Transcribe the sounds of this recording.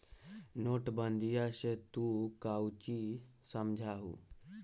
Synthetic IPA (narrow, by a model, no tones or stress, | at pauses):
noːʈbənd̪ʱijaset̪ukawt͡ʃi | səmd͡ʒʱaːɦṵː